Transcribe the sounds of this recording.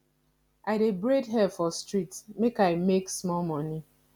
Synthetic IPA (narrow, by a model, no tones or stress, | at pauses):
ʔaɪdebɹedɦɛfɔstɹitmekaɪmeksmɔlmɔ̃ni